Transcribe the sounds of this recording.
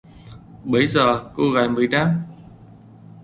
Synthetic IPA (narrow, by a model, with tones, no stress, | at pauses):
ɓə˧˩˦jzəː˨˩ko˧ɣa˨˩jmɨ˨˩əjna˧m